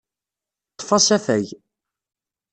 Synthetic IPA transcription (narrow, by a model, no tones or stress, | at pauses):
t̪ˤːfɑsæfæj